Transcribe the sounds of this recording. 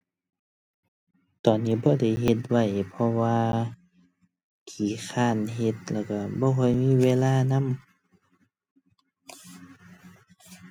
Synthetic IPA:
t̪ɔː˨˩nːiː˧˥˨bɔː˧˦da˧˩jɦe˧˦t̪̚wa˧˩jpʰɔ˧waː˧ | kʰiː˨˦kʰaː˧˩˨nɦe˧˦t̪̚lɛː˧˩wka˧˩bɔː˧˨kʰɔ˧˥˨jmiː˧˥˨weː˧˨laː˧˨na˧˥˨m

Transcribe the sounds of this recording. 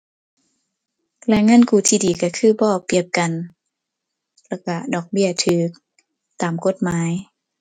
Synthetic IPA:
lɛ˧ŋa˧˥˨nkuː˧˩t̪ʰiː˧˩diː˨˩ka˧˩kʰɯː˧˥˨bɔː˧˩p̚ːi˧˩əp̚ka˨n | lɛ˧˩wka˧˩dɔː˧˩k̚bi˥˨ɐt̪ʰɯː˨˦k̚ | t̪aː˨mko˧˦t̪̚maː˨˦j

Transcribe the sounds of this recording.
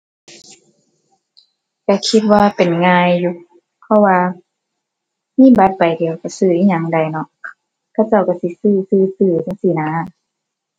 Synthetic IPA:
ka˧˩kʰi˧t̪̚waː˧pe˨nŋaː˧jːu˧ | pʰɔ˧waː˧ | miː˧˥˨ba˧˦t̪̚pa˨˩jdi˨əwka˧˩sɯː˧ʔiː˧˨ɲa˧˩˨ŋda˧˩jnɔ˧˦ʔ | kʰa˧˩˨wt͡ɕa˧˩˨wka˧˩si˧˦sɯː˧˩sɯː˧˩sɯː˧˩t̪a˧˥˨ŋsi˧˦naː˨˦

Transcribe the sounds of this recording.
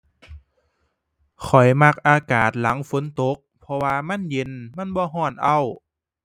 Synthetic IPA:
xʰɔ˨˩jma˧k̚ʔaː˧kaː˨˩t̪̚la˩˦ŋfo˨˦nt̪o˧˦k̚pʰɔ˧waː˧ma˧˥˨nje˧˥nma˧˥˨nbɔː˧˦ɦɔː˧˩nʔa˧˩w

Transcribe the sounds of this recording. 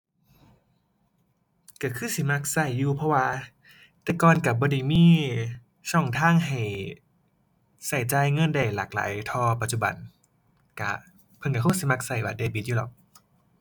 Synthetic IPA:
ka˧˩kʰɯː˧˥˨si˧˦ma˧k̚sa˧˩jːuː˧pʰɔ˧waː˧ | t̪ɛː˧˩kɔː˧˨nka˧˩bɔː˧˦da˧˩jmiː˧˥˨ | sɔː˧˩ŋt̪ʰaː˧˥˨ŋɦa˨˩j | sa˧˩jt͡ɕaː˧jŋɤ˧˥˨nda˧˩jla̰ː˨˩k̚la̰ː˨˦jt̪ʰɔː˧pa˧t̪̚t͡ɕu˧˩ba̰˨˩n | ka̰˧˩ | pʰɤ˧˨nka˧˩kʰa˧˥˩si˧˦ma˧k̚sa˧˩jwaː˧deː˧˩biː˧˦juː˧lɔ̰˧˦k̚

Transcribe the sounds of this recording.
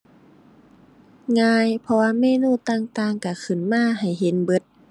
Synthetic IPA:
ŋaː˧jpʰɔ˧waː˧˨meː˧˨nuː˧˨t̪aː˧˩ŋt̪aː˧ŋka˧˩kʰɯ˨˩nmaː˧˥˨ɦa˨˩jɦe˨˦nbɤ˧˥t̪̚

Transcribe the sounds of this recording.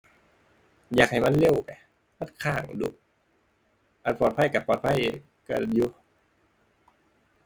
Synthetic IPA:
jaː˨˩k̚ha˨˩jma˧˥˨nle˧˨wpa˨˩j | ma˧˥˨nkʰaː˧˩˨ŋ˨˩dṵ˧˩ | ʔaː˧˩t̪pʰɔː˨˩t̪̚pʰa˧˥˨jka˧˩pɔː˨˩t̪̚pʰa˧˥˨j | ka̰˧˩juː˧

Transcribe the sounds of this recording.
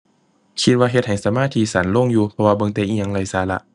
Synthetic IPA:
kʰi˧t̪̚waː˧ɦe˧t̪̚ha˨˩jsa˨˦maː˧˥˨t̪ʰiː˧˥sa˨˦nlo˧˥˨ŋjuː˧pʰɔ˧waː˧bɤ˧˨ŋt̪ɛː˧˨ʔiː˧˩ɲaː˧ŋla˧˩jsaː˨˦la̰˧ʔ

